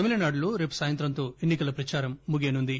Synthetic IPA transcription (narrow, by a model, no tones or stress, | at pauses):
ɐmilɐnaːɖloːɾeːpu̥saːjɐnt̪ɾɐnt̪o̞ːenːikɐlɐpɾɐt͡ʃaːɾɐmːuɡeːnund̪i